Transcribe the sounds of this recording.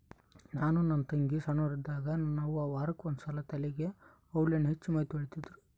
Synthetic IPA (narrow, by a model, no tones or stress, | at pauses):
naːnunɐnt̪ɐŋɡisɐnoːɾid̪aːɡɐnaːʋuaːʋaːɾɐkːuond̪usɐlɐt̪ʰɐlɛɡe̞ | ɐwɭenuɦet͡ʃːumɐɦit̪uɐɭit̪id̪ɾu